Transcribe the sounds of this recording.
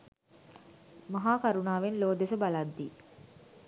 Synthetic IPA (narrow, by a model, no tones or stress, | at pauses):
maɦaːkaɾunaːʋenloːd̪esəbalad̪ːi